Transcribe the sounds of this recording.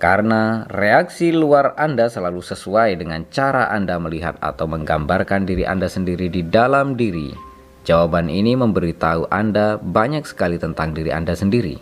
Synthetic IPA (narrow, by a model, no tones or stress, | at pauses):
kaɾənareaksiluarandasəlalusəsuajdəŋant͡ʃaɾa̰ʔandaməliɦa̰t̪̚a̰t̪awməŋɡambarkandiɾiʔa̰ndasəndiɾididalamdiɾḭ | d͡ʒawabaniniməmbəɾit̪auʔandabaɲak̚sə̥kalit̪ənt̪aŋdiɾiʔa̰ndasəndiɾḭ